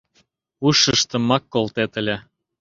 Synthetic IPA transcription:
uʃəʃt̪ə̆mːɑkːolt̪et̪ə̆lʲe

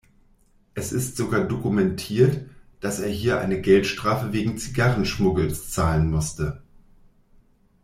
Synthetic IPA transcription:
ʔɛsɪstz̥oɡaːɐdokumɛntʰiːɐtd̥aseːɐɦiːɐʔa̰ɪnəɡɛltʃtʁ̥aːfəveːɡŋ̩t͡siɡaʁn̩ʃmʊɡl̩st͡saːlənmʊstə

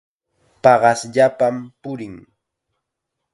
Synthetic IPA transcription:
pɑɢɑsʎapampʊɾɪŋ

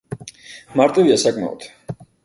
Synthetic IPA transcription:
maɾt̪ʼiviasakʼma̰ɔ̰d̪̥

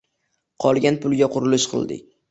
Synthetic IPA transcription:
qʰɒlˠɡʲanpʰʊlˠɡʲaqʰʊɾɪlɪʃqʰɨ̰lˠd̪ɪ̰kʲ

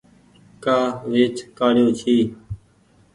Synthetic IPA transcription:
kaːʋeːt͡ʃkaːɽjoːt͡ʃʰiː

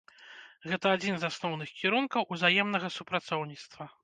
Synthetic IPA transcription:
ɣɛt̪ɐːd͡zʲinzasnɔwnɨxkʲiɾunkɐwʔuzajɛmnɐɣɐsupɾat̪sɔwnʲit̪st̪vɐ

